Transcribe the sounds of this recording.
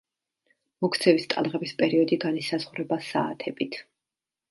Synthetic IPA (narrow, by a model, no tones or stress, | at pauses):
mɔkʰt̪sʰɛvist̪ʼalˠʁɛbispʼɛɾiɔd̪iɡanisazʁɾɛbasa̰ːt̪ʰɛbit̪ʰ